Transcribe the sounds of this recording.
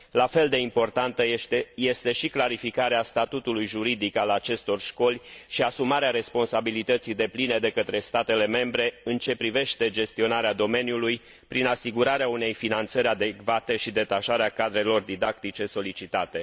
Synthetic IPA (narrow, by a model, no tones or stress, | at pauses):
lafe̞ld̪e̞impo̞rt̪ant̪əje̞st̪e̞ʃiklaɾifikaɾeast̪at̪ut̪ulujʒuɾid̪ikalat͡ʃe̞st̪o̞rʃko̞lʲʃiasumaɾeaɾe̞spo̞nsabilit̪ət̪sijd̪e̞pline̞d̪e̞kət̪ɾe̞st̪at̪e̞le̞me̞mbɾe̞ɨnt͡ʃe̞pɾive̞ʃt̪e̞d͡ʒe̞st̪io̞naɾead̪o̞me̞njuluj | pɾinasiɡuɾaɾeaune̞jfinant̪səɾʲad̪e̞kvat̪e̞ʃid̪e̞t̪aʃaɾeakad̪ɾe̞lo̞rd̪id̪akt̪it͡ʃe̞so̞lit͡ʃit̪at̪e̞